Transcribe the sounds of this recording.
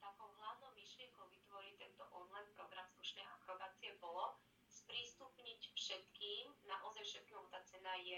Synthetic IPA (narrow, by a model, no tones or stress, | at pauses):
t̪aːkɔʊɦlaʊnɔʊmiʃlɪɛŋkɔʊʋit̪ʋɔɾit̪ɛnt̪ɔʔɔnlajnpɾɔɡɾamslˠuʃnɛːʔakɾɔbaːt͡siɛbɔlɔ | spɾiːst̪upɲicfʃɛt̪kiːmnaʔɔzajʃɛt̪̚knɔɔt̪aːt͡sɛnajɛ